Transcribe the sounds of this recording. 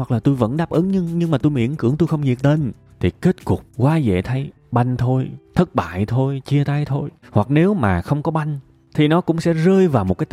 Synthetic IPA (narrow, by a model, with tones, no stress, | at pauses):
wa˨˩k̚laː˨˩t̪u˧jvə̰˧˥nɗaː˦˥p̚ʔɨ˨˦ŋɲɨ˧ŋɲɨ˧ŋmaː˨˩t̪u˧jmḭ˧˩əŋkɨ˧˩əŋt̪u˧jxə˧wŋ͡mɲi˨˩t̚ɗ̪e˧n | t̪ʰi˨˩ke˦˥t̚kʊ˨˩k͡p̚kwaː˨˦zḛ˧˨t̪ʰə˨˦j | ɓa˧jŋ̟t̪ʰo˧jt̪ʰə˦˥t̚ɓa̰ː˧˨jt̪ʰo˧jt͡ɕi˧ət̪a˨˧jt̪ʰo˧jhwa˨˩k̚ne˨˦wmaː˨˩xə˧wŋ͡mkɔ˨˦ɓa˧jŋ̟ | t̪ʰi˨˩nɔ˨˦kʊ̰˧˥ŋ͡msɛ̰˧˥zəː˧jvaː˨˩wmo˨˩t̚kaː˨˦